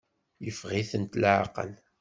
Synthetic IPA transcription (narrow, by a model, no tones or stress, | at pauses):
jəfʁiθənt̪lʕa̰qə̰l